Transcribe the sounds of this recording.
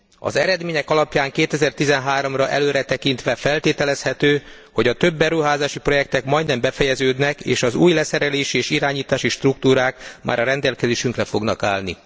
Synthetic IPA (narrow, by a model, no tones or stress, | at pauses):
ɒ̰zɛɾɛd̪meːɲɛkɒlɒpjaːŋkeːt̪ɛzɛrt̪izɛnɦaːɾo̞mrɒʔɛ̰løːɾɛt̪ɛkint̪ʋɛfɛlt̪eːt̪ɛlɛshɛt̪øː | ho̞ɟɒt̪ø̞bːɛɾuɦaːzaːʃipro̞jɛk̚t̪ɛkmɒjd̪nɛmbɛfɛjɛzøːd̪nɛkḛːʃɒzuːjlɛsɛɾɛleːʃieːʃiɾaːɲiːt̪aːʃiʃt̪ruk̚t̪uːɾaːkma̰ːɾɒɾɛnd̪ɛlkɛzeːʃyŋkrɛfo̞ɡnɒkaːlnḭ